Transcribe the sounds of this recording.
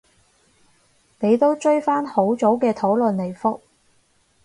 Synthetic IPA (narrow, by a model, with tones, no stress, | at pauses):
ne˨˧jt̪o˥wt͡ʃɵ˥ɥfaː˥nho˨˥wt͡ʃt͡so˨˥wkɛː˧t̪ʰo˨˥wlɵ˨nle˨˩jfʊ˥k̚